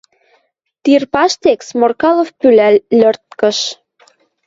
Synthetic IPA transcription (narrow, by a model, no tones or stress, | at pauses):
t̪irpɑʃt̪eksmorkɑlofpylælːø̆rt̪̚kə̆ʃ